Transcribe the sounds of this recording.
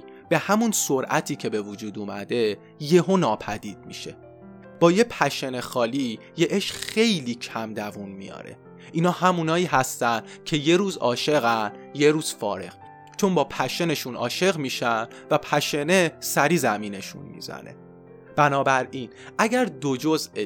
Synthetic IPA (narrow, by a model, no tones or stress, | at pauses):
b̥e̞hæmunsoɾʔæt̪ʰiːcʰe̞be̞vud͡ʒuːd̪uːmæ̰d̪e̞ | je̞honɒːpʰæd̪iːd̪̥̚mḭʃe̞ | b̥ɒːje̞pʰæʃe̞ne̞xɒːli | jeʔeʃxe̞jliːcʰæmd̪ævunmijɒ̰ːɾḛ | ʔiːnɒːhæmunɒːiːɦæst̪ænd̪̥ | cʰe̞je̞ɾuːzɒːʃe̞ɣænje̞ɾuːz̥fɒ̰ːɾe̞̰ɣ̥ | t͡ʃʰo̞mbɒːpʰæʃene̞ʃunɒ̰ːʃe̞ɣmiːʃæn | væpʰæʃe̞ne̞sæɾiːzæmiːne̞ʃṵnmḭzæ̰ne̞̰ | b̥ænɒːbæɾiːn | ʔæɟæɾd̪od͡ʒo̞ze